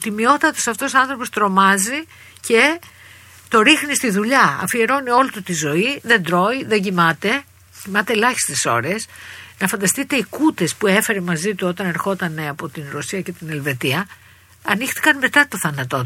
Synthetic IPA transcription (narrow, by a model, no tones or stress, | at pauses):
t̪imio̞t̪ɐt̪osɐft̪o̞soɐ̃nθɾo̞po̞st̪ɾo̞mɐzi | ce̞ | t̪o̞ɾixnist̪iðuʎɐɐ̰fie̞ɾo̞nio̞lit̪ut̪izo̞iðe̞nd̪ɾo̞iðe̞ɟimɐt̪e̞ | cimɐt̪e̞ːlɐçi̥st̪eso̞̰ɾe̞snɐfɐnd̪ɐst̪it̪e̞ikut̪e̞spue̞fe̞ɾemɐzit̪uo̞t̪ɐne̞ɾxo̞t̪ɐne̞ɐpo̞t̪inɾosiɐce̞t̪ine̞lve̞t̪iɐ | ɐnixt̪i̥kɐnme̞t̪ɐt̪o̞θɐnɐt̪o̞